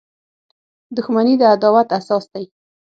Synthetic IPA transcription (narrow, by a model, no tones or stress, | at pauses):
d̪ʊxmanid̪əad̪ɑwat̪asɑsd̪aj